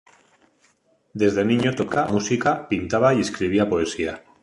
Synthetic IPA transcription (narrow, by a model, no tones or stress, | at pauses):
d̪e̞zðenĩɲot̪okamusikapint̪aβaie̞skɾiβ̞iapoe̞sia